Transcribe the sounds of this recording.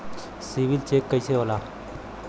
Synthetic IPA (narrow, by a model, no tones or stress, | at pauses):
siʋilt͡ʃeːkːəjseolaː